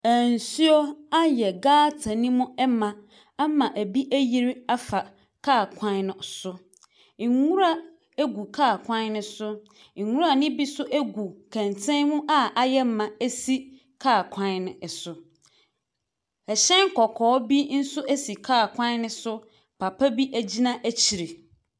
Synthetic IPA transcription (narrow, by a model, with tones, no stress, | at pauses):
æ˨n̩˨su˦o˦a˦jɛ˨ɡaː˦tʰã˨nĩ˦mʊ̃˦ɛ˦mã˨ | a˦mã˨ʔæ˨bi˦ʔæ˦ji˦ɾa˦fa˨ | kʰaː˦˨kʷʰã˦n˦nʊ̃˨sʊ˦ | ɪ˨ŋu˦ɾa˦ | æ˦ɡu˨kʰaː˦˨kʷʰã˦n˦nʊ̃˦sʊ˦ | ɪ˨ŋu˦ɾa˨nɪ̃˦bi˦sʊ˦ʔæ˦ɡu˨kʰæ̃˨n˨tʰɛ̃˦mʊ̃˦ʔa˦a˨jɛ˦m̩˦mã˨æ˦si˦ | kʰaː˦˨kʰã˦nnɪ̃˨sʊ˨ | ɛ˨ɕɛ̃˦ŋ̩˦kʰɔ˨kʰɔː˨˦bi˦n̩˦sʊ˦ʔæ˦si˨kʰaː˦˨kʰʷã˦n˦nɪ̃˦sʊ˦ | pʰa˨pʰa˦bi˦ʔæ˦d͡ʑi˦nã˦ʔæ˦t͡ɕʰi˨ɾe˨